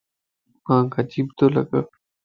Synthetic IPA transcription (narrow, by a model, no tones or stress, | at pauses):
mãːɡəd͡ʒiːbt̪oːlə̰ɡəː